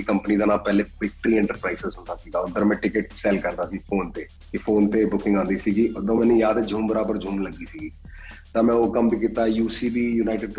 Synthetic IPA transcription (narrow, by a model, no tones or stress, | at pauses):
kəmpəniːd̪aːnaːpɛːleːpɪk̚ʈɾiːɛ̃ːɳʈəɾpɾaːiːsɪzɦʊ̃nd̪aːsiːɡaːʊnd̪əɾmɛ̃ːʈɪkəʈ̚sɛːlkəɾd̪aːsiːpʰoːnt̪eː | kɪpʰoːnt̪eːbʊkɪ̃ŋɡãːnd̪iːsiːɡiːʔʊd̪õːmɛ̃ːnũːjaːd̪ɛd͡ʒʱuːmbəɾaːbəɾd͡ʒʱuːmləɡiːsiːɡiː | t̪ãːmɛ̃ːoːkəmbiːkiːt̪aːjuːsiːbiːjuːnaːɪʈɪɖ